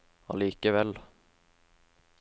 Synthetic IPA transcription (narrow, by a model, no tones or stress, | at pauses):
ɑ̰liːkəʋɛl